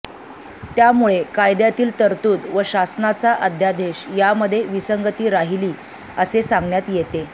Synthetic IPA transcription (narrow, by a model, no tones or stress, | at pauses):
t̪jamuɭekajd̪jat̪iːlt̪əɾt̪uːd̪ʋəɕasnat͡saʔəd̪ʱjad̪ʱeɕjaməd̪ʱːjeʋisəŋɡət̪iːɾaɦiliː | əsesaŋɡnjat̪jet̪e